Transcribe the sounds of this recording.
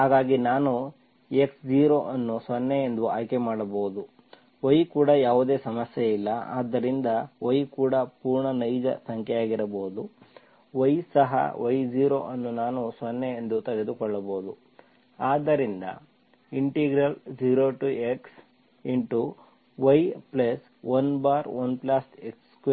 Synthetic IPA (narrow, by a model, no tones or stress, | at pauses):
ɦaːɡaːɡinaːnu | e̞ksd͡ʒiːɾoːʔɐnːusʋɐnːeend̪uaːjkemaːɽɐboːud̪u | ʋɐjkuːɽɐjaːʋud̪e̞ːsɐmɐsjeilːɐa̰ːd̪ːɐɾind̪ɐʋɐjkuːɽɐpuːɾɳɐnɐjd͡ʒɐ̰sɐŋkʰɛjaːɡiɾɐboːud̪u | ʋɐjsɐɦɐ̰ʋɐjd͡ʒiːɾo̰ːʔɐnːunaːnusɐnːeend̪ut̪ɐɡe̞d̪ukɔɭːɐboːd̪u | aːd̪ːɐɾind̪ɐ̰ | iɳʈiɡɾɐld͡ʒiːɾoːʈueks | iɳʈu | ʋɐjplɐs | ʋɐnbaːɾʋɐnplaːseksk